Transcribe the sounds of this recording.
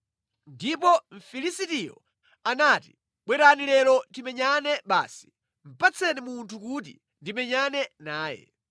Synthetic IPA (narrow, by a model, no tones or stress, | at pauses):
ndipɔɱ̩filisitijɔ̰ | anatḭ | ɓwɛɾanilɛɾɔtimɛɲanɛɓa̰ːsi̥ | m̩pat͡sʰɛnimuntʰukut̬ḭ | ndimɛɲanɛnaːjɛ̰